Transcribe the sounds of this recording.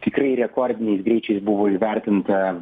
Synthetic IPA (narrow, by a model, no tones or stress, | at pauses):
t̪ʲɪkɾɐɪɾʲɛkɔɾʲd̪ʲɪnʲɛɪsɡɾʲɛɪt͡ʃʲɛɪsbʊʋoːɪʋʲɛɾʲt̪ʲɪnt̪ɐ